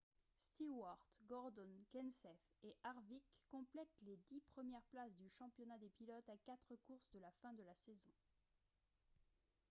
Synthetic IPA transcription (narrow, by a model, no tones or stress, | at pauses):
st̪iwaʁt̪ɡɔʁd̪ɔnkʲɛnsɛf | eʔaʁvikːɔ̃plɛt̪led̪ipχəmjɛʁplasd̪yʃɑ̃pjɔnad̪epilɔt̪akat̪χəkuʁsd̪əlafɛ̃d̪əlasezɔ̃